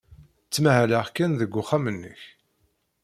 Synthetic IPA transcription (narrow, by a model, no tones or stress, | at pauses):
t͡sːmæhæləʁkːænðəɡʷːʊχamənːə̰ç